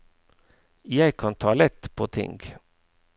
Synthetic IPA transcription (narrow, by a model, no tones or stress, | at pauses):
jɛɪkʰɑnt̪ʰɑːlɛt̪ːpʰot̪ʰɪ̰ŋɡ